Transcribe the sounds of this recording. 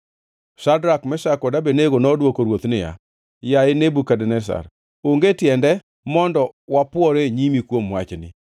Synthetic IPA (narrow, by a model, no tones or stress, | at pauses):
ʃadɾakmɛʃakɔdabeneɡonɔdwokoɾwot̪nɪja̰ | jaenebukadɛnɛs̬a̰ɾ | oŋɡetɪɛndɛ | mɔndɔwapʊɔɾeɲimikwomwat͡ʃnɪ̰